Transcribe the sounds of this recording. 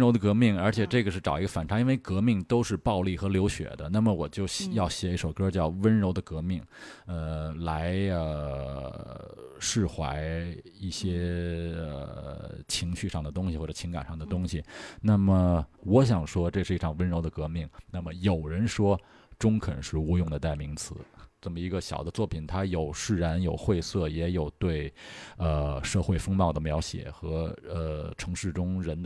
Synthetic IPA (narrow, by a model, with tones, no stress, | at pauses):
ɻo˧˥ʊd̪ə˧kɤ˧˥mi˥˩ŋə˞˧˥t͡ɕʰɛ˨˩ʈ͡ʂɤ˥˩ɡə˩ʂɻ̩˥˩ʈ͡ʂɑ˨˩ʊi˧˥ɡə˧fa˨˩nʈ͡ʂʰa˧˥i˥nwe˥˧ɪkɤ˧˥mi˥˩ŋt̪o˥ʊʂɻ̩˥˧pɑ˥˧ʊli˥˩xɤ˧˥ljo˧˥ʊɕɥɛ̰˨˩˦d̪ə˦na˥˩mə˩wɔ˨˩t͡ɕjo˥˧ʊjɑ˥˩ʊɕjɛ˧˥i˥˩ʂo˨˩ʊkɤ˥t͡ɕjɑ˥˩ʊwə˥nɻo˧˥ʊd̪ə˧kɤ˧˥mi˥˩ŋə˧la˧˥ɪə˧ | ʂɻ̩˥˩xwa̰˧˥ɪ | i˥˩ɕjɛ˥ə̰˩t͡ɕʰi˧˥ŋɕy˥˧ʂɑ˥˩ŋd̪ə˩t̪ʊ˥ŋɕi˧xwɔ˥˩ʈ͡ʂɤ˨˩t͡ɕʰi˧˥ŋka̰˨˩nʂɑ˥˩ŋd̪ə˩t̪ʊ˥ŋɕi˨˩na˥˩mə˩wɔ˧˥ɕ̬jɑ˨˩ŋʂwɔ˥ʈ͡ʂɤ˥˧ʂɻ̩˥˩˧i˥˩ʈ͡ʂʰɑ˥˩ŋwə˧˥nɻo˧˥ʊd̪ə˨kɤ˧˥mi˥˩ŋna˥˩mə˩jo˨˩ʊɻə˧˥nʂwɔ˥ | ʈ͡ʂʊ˥ŋkʰɤ˨˩nə˧˥ŋʂɻ̩˥˩u˧˥jʊ˥˩ŋd̪ə˩t̪a˥˩ɪmi˧˥ŋt͡sʰɹ̩˧˩˥ʈ͡ʂə˥˩mə˩i˧˥ɡə˧ɕjɑ˨˩ʊd̪ə˦t͡swɔ˥˩pʰi˨˩nt̪ʰa˥jo˨˩ʊʂɻ̩˥˩ɻa˧˥njo˨˩ʊxwe˥˧ɪsɤ˥˩jɛ˧˥jo˨˩ʊt̪we˥˩ɪə˧ʂɤ˥˧xwe˥˩ɪfɤ˥ŋmɑ˥˩ʊd̪ə˩mjɑ˧˥ʊɕjɛ̰˨˩xɤ˧˥ə˧ʈ͡ʂʰɤ˧˥ŋʂɻ̩˥˩ʈ͡ʂʊ˥ŋɻə˧˥nd̪